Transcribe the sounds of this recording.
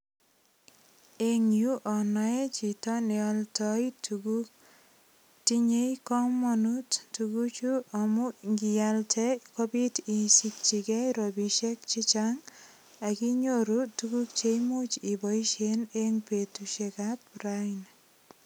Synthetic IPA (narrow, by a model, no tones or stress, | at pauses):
eŋjuʔɔnɔɛt͡ʃitɔnɛɔltɔjtuɡu | tiɲejkɔmːɔnuttuɡut͡ʃuɔmuŋɡijaltʰɛkɔbitinsik̚t͡ʃikɛɾɔbiʃɛkt͡ʃit͡ʃaŋ | akiɲoɾutuɡuk̚t͡ʃejmut͡ʃibɔiʃeneŋpetuʃekat̚pɾajn